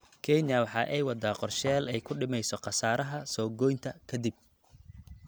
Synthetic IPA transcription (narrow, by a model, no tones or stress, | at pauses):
kʰɛnɐwɑħɑːʔɛjwɑd̪aːqɔrʃɛːlɛjkʰʊɖɪmɛjsɔqɑsaːɾɐɦɐsɔːɡɔjnt̪ʰɐkʰɐd̪ɪb̚